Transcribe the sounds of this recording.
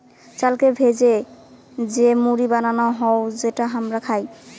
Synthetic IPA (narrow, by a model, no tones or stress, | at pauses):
t͡ɕalkebʱed͡ʑe | d͡ʑemuɾibananɔɦɔod͡ʑeʈaɦamɾakʰaj